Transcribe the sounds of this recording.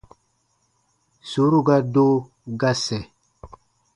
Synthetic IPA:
su˨˦ɾu˦ɡa˦do˦ | ɡa˦sɛ˨

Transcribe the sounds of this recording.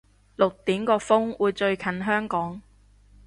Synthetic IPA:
lʊ˨k̚t̪iː˨˥mkɔː˧fʊ˥ŋwuː˨˧jt͡ʃɵ˧ɥkʰɐ˨˥nɦœː˥ŋkɔː˨˥ŋ

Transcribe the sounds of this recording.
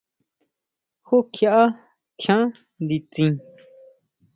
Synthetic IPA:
xo˦kʰja˧ʔa˦ | t̪ʰjã˦ | nd̪i˨t͡sĩ˧

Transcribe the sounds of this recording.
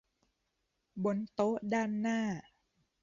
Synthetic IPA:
bo˧nt̪o˦˥ʔdaː˥˩nːaː˥˩

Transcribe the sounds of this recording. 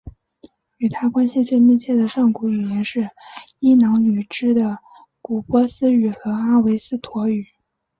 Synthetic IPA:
y˨˩t̪ʰa˥kwa˥nɕi˧t͡swe˥˧ɪmi˥˧t͡ɕʰjɛ˥˩d̪ə˩ʂɑ˥˩ŋku˧˥y˨˩jɛ˧˥nʂɻ̩˥˩ | i˥nɑ˧˥ŋny˨˩ʈ͡ʂɻ̩˥d̪ə˨ | ku˨˩pwɔ˥sɹ̩˥y˨˩xɤ˧˥a˥we˧˥ɪsɹ̩˥˩t̪ʰwɔ˧˥y˨˩˦

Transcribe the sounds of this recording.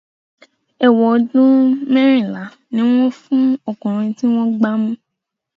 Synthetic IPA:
ɛ˨wɔ˨dũ˦mɛ̃˦ɾ̃ĩ˦˨la˨˦ | nĩ˨˦w̃ɔ̃˦fũ˦ɔ˨kũ˨ɾ̃ĩ˧ti˦w̃ɔ̃˦ɡ͡ba˦mũ˦

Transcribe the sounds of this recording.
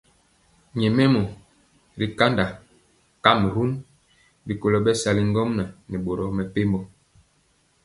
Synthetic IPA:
ɲɛ˨me˦mo˨ | ɾi˨ka˦nda˨ | ka˦me˨ɦu˦n | bi˨ko˨lo˦ɓɛ˦sa˨li˦ŋ˦ɡɔ˦mna˨ni˨ɓo˨ɾɔ˦mɛ˨pe˦mbɔ˦

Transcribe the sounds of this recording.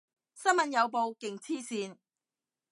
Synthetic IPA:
sɐ˥nmɐ˨njɐ˨˧wp̬o˧wkɪ˨ŋt͡sʰiː˥siː˧n

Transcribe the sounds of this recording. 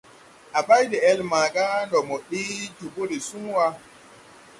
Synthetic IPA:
ʔa˨ba˦jdɛ˨ɛ˦lma˨ɡa˦ndɔ˨mɔ˨ɗi˦d͡ʒu˨bu˦ɾi˨su˦ŋwa˦

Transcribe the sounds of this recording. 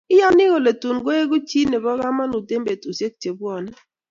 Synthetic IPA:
ɪ˦ja˦nɪ˦ɣo˨le˨tu˨nɡwe˦e˦ɡu˦t͡ʃi˦nɛ˨bɔ˦ɣa˦ma˦nu˨te˦mbe˨tu˨se˦k̚t͡ʃe˨bwɔ˨nɛ˦

